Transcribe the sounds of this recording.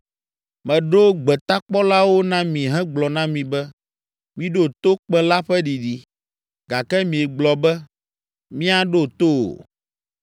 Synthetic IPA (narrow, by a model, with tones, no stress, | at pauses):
mɛ̃˨ɖo˦ɡ͡bɛ˨t̪a˦k͡pɔ˦la˦wo˦nã˦mĩ˨ɦɛ̃˦ɡ͡blɔ˨nã˦mĩ˨bɛ˦ | mĩ˦ɖo˦t̪o˦k͡pɛ̃˦la˦ɸɛ˦ɖi˨ɖi˨ | ɡa˨kɛ˦mĩ˨e˨ɡ͡blɔ˨bɛ˦ | mĩ˦a˨ɖo˦˨t̪o̰˦˨